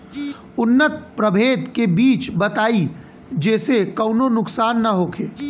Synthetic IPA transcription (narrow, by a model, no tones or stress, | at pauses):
ʊnːət̪̚pɾəbʱeːd̪kebiːt͡ʃbət̪aːi | d͡ʒeːsekəʊnonʊksaːnːəɦokʰeː